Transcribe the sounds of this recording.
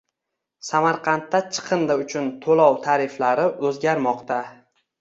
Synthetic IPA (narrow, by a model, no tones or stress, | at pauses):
samaɾqʰɑnt̪ːat͡ʃʰɨ̥qʰɨnd̪aʊt͡ʃʰʊnt̪ʰolɒwt̪ʰaɾɪflaɾɪʔɵzɡʲaɾmɒqt̪ʰa